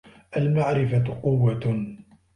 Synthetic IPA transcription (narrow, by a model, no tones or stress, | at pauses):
ʔalmaʕɾɪfaqʊwːa